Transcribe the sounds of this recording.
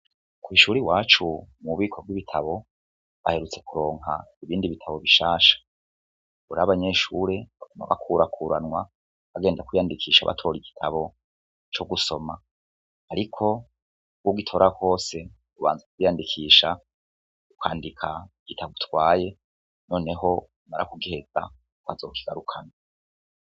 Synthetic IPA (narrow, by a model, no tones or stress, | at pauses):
kwiːʃuːɾiwaːt͡ʃumuβiːkʰo̞b̚ɡwiβitʰaβo̞ | βahe̞ɾut͡se̞kuɾo̞ːŋɦa̰iβiːndiβitʰaβo̞βiʃaːʃḁ | uɾaβaɲe̞ʃuɾe̞βakoma̰βa̰kʰuːɾakʰuːɾanŋwa | βaɡe̞ːndakwijandikʰiːʃa̰βa̰tʰo̞ːɾiɡitʰaβo̞ | t͡ʃo̞ɡuso̞ma | aɾikʰo̞ | uɡuɡitʰo̞ɾako̞ːse̞ | uβa̰ːnzakwiːjandikʰiːʃa | ukwaːndikʰaɡitʰaɡutwaːje̞ | no̞ːne̞ɦo̞ | umaɾa̰kuɡihe̞za̰ | kwazo̞ːkiɡ̥aɾukʰana